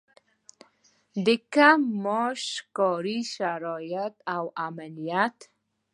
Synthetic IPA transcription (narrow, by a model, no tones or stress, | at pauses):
d̪əkamːɔʃkɔɾiʃaɾɑjat̪awamanijat̪